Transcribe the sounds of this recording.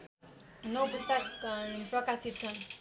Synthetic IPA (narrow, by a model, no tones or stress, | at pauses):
nʌwbust̪akprʌkasit̪̚t͡sʰʌn